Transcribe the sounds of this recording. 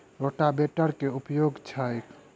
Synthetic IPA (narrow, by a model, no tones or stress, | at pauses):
ɾoʈabeʈəɾkeupjoɡt͡ʃʰajk